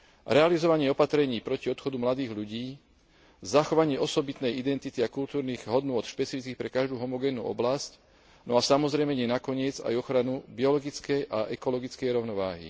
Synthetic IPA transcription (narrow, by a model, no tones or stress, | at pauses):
ɾɛalizɔʋaɲɪɛɔpat̪ɾɛɲiːpɾɔciɔt̪xɔd̪umlad̪iːɣʎuɟiː | zaxɔʋaɲɪɛʔɔsɔbit̪nɛjid̪ɛnt̪it̪iakult̪uːɾniːɣɦɔd̪nʊɔt̪ʃpɛt͡sifit͡skiːxpɾɛkaʒd̪uːɦɔmɔɡɛːnːṵːɔ̰blasc | nɔasamɔzɾɛjmɛɲɛnakɔɲɪɛd͡za̰jɔxɾanubiɔlɔɡit͡skɛjʔaʔɛkɔlɔɡit͡skɛjɾɔʊnɔʋa̰ːɦḭ